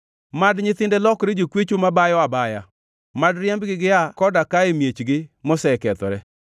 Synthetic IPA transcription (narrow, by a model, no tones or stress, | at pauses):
madɲɪt̪ɪndɛlɔkɾed͡ʒokwet͡ʃomabajɔabaja | madɾjɛmbɡɪɡɪakɔdakaemjet͡ʃɡɪmɔsɛkɛt̪ɔ̰ɾɛ